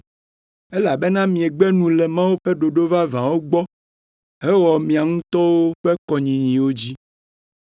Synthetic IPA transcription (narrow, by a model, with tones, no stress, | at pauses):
ɛ˦la˨be˦nã˦mĩ˨e˨ɡ͡bɛ˦nũ˨lɛ˨mã˦wo˦ɸɛ˦ɖo˨ɖo˦va˦vã˨wo˦ɡ͡bɔ˦ | e˦wɔ˨mĩ˨a˨ŋũ˦t̪ɔ˦wo˦ɸɛ˦kɔ˨ɲĩ˨ɲĩ˨wo˦d͡ʑi˦